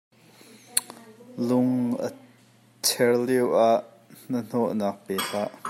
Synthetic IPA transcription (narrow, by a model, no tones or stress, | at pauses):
lʊŋʔə̰ | t͡sʰɛrliwʔaʔ | n̥ən̥ɔʔnaːk̚pɛːsaːʔ